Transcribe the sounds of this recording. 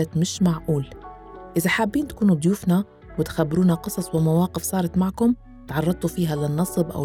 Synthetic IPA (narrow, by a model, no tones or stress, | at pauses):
at̪mɪʃmaʕʔuːl | ʔɪzaħabːiːnt̪ḁkuːnubd̪ˤjuːfna | wɪt̪xabːɾuːnaqɨsˤɑsˤwɪmawɑːqɪfsˤɑːɾˤɑt̪maʕkʊm | t̪ʕɑrˤːɑt̪ˤufiːɦalɪnːɑsˤbʔa̰w